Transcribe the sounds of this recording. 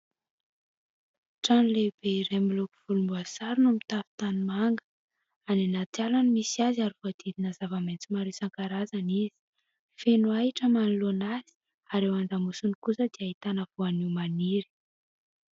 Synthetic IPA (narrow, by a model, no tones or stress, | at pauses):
ʈ͡ʂanleb̥eiɾemiluku̥v̥ulumbuasaɾunumit̪avi̥t̪animaŋɡə̥ | aninat͡s̪ialanimisiaziaɾivoad̪̥id̪inazavament͡simaɾesaŋkaɾazanizi̥ | fenwaiʈ͡ʂəmanulonaz̥i̥ | aɾewand̪amusunikusəd̪̥iait̪anəvoaniwmaniɾi̥